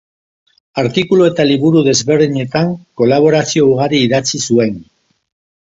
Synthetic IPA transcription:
aɾt̪ikulue̞t̪aliβuɾuðe̞zβe̞ɾðiɲe̞t̪aŋko̞laβ̞o̞ɾasio̞uɣ̞aɾiːðat͡sisue̞n

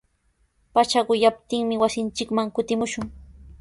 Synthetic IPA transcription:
pat͡ʃaɢʊjap̚t̪ɪŋmɪwasɪnt͡ʃɪkmaŋkʊt̪ɪmʊʃʊŋ

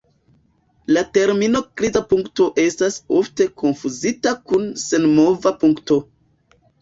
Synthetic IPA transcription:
late̞ɾmino̞klizapuŋkto̞ʔe̞stasofte̞kʰo̞nfuzitakunse̞nmo̞vapuŋkto̞

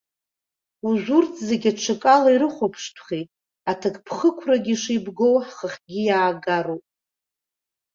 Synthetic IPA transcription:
uʒʷurt͡sʰʼzeɡʲaʈ͡ʂʷʰakʼalaiɾɨχʷopʰʂtʷʰχʲejtʼ | atʰɨkʰʼpʰχəkʷʰraɡʲiʂijbɡo̞wħχəχʲɡʲijaːɡaɾowpʼ

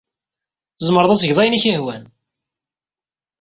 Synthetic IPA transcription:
zˤməɾəðˤæsəʝðˤɑjniçihwæn

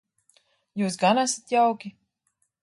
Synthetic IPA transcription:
juːs̬ɡanasat̪jawkʲi

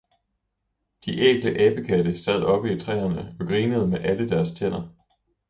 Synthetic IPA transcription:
d̥iʔeɡ̥ləʔɛːb̥əkʰæd̥əsæð̰ˠɒ̽b̥əit͡sʰʁɛ̰ːɐnəɒ̽ɡ̥ʁiːnəð̞̩ˠmeʔæləd̥æɐst͡sʰen̰ɐ

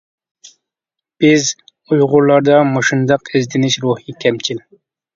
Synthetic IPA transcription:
b̥iz | ujʁulɑɾd̪ɑmuʃind̪ɑqizd̪iniʃɾuːhikʲʰæmt͡ʃil

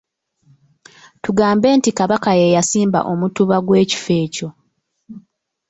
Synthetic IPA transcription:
tuɡaːmbe̞ːntikaβakajejasiːmba̰ʔo̞mutuβaɡwe̞ːci̥fe̞ːco̞

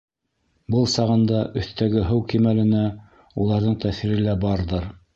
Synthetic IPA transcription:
bɤlˠsɑʁɤ̆nd̪ɑʔɵ̆θt̪æɡɘɦɤwkimælɘ̆næ | ulˠɑɾðɤɴt̪æθiɾɘ̆læbɑɾðɤɾ

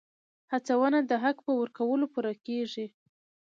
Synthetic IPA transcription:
hat͡sawənad̪əɦakpəwəɾkawəlopuɾakeʐi

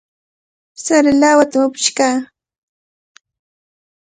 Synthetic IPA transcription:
saɾɪlawat̪amʊpɪ̥ʃkaː

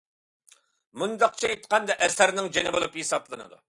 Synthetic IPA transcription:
mund̪ɑq̚t͡ʃʰɛet̪qʰɑnd̪ɛʔɛsæɾnɪŋd͡ʒenɪbolˠupjesɑblˠɨnɨ̰d̪ṵ

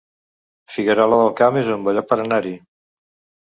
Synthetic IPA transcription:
fiɣəɾɔləðəlˠkamezumbəʎapəɾənaɾi

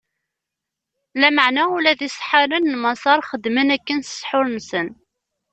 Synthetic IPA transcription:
læməʕnæulæðisˤħaɾənːmɑsˤɑɾˤχəd̪mənækːənsə̥sˤħʊɾnsən

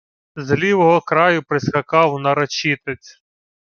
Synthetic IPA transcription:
zlʲiʋɔɦɔkɾɑjʊpɾɪsxɐkɑwnɐɾɐt͡ʃit̪et͡sʲ

